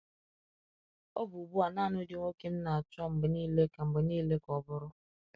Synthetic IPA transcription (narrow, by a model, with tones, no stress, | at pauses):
o˦bu˨bu˦a˨na˦˨nʊ˦de˨ŋʷo˦ke˦n̩˦na˨a˨t͡ʃɔ˦m̩˨bɪ˨niː˦le˦ka˨m̩˨bɪ˨niː˦le˦kɔ˨bʊ˦ɾʊ˦